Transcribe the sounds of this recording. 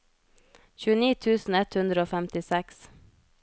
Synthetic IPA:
çʉːəniːt̪ʰʉːsn̩ɛt̪hʉnd̪ɾəoːfæmt̪ɪsɛks

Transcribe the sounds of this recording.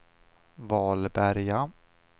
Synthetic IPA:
vɑːlbæɾja

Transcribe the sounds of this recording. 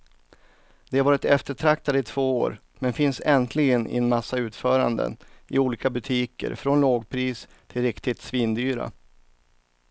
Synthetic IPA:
d̪̥ɛavɑːɾɪt̪ɛft̪əʈʰɾak̚t̪ad̪əɪt̪ʰv̥oːoːɾ | mɛnfɪnsɛnt̪ʰlɪɡənʔɪ̰ɛnmasːaʉ̟ːt̪fœːɾa̰nd̪ə̰nɪuːliːkabɵt̪ʰiːkə̰ɾfɾɔnloːɡpʰɾiːs | t̪ʰɪlɾɪkt̪ɪt̪sviːnd̪yːɾa̰

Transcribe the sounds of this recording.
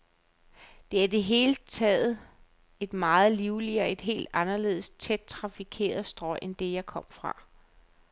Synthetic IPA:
d̥e̝æɐid̥e̝ɦe̝ːlət͡sʰɛ̰ːð̩ˠ | e̝d̥mɑ̈ːð̞̩ˠliʊliɒ̽e̝d̥ɦe̝̰ːld̥ɑ̈nɐle̝̰ːð̞̩ˠst͡sʰed̥̚t͡sʰʁɑ̈fikʰe̝̰ːɐð̩ˠsd̥ʁɒɪ̰ʔend̥e̝jɑ̈ɪkʰɒ̽m̰fʁɑ̈

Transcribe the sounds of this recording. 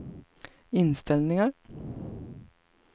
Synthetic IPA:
ɪnst̪ɪlnɪŋəɾ

